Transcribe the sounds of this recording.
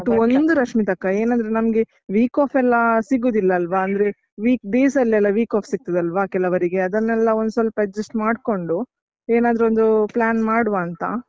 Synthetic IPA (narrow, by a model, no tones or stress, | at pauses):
ʈːuond̪uɾɐʂmit̪ɐkːae̞ːnɐnd̪ɾenɐmɡe̞ | ʋiːkaːpʰɛlːɐsiɡoːd̪ilːɐːlʋaːnd̪ɾe̞ | ʋiːkɖeːsɐlːɛlːɐʋiːkaːpʰsiɡ̚t̪ɐd̪ɐlʋakɛlɐʋɐɾiɡeɐd̪ɐnːɛlːɐo̞nd̪usɐlpɐd͡ʒesʈmaːɖko̞ɳɖu | eːnaːd̪ɾo̞nd̪uplaːnmaːɽʋaːnt̪ɐ̰